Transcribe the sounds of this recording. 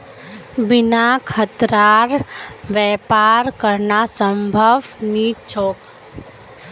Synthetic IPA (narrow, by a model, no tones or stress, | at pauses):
bɪnakʰət̪ɾaːɾʋɛːpaːɾkəɾnasə̃mbʱəʋniːt͡ʃʰoːk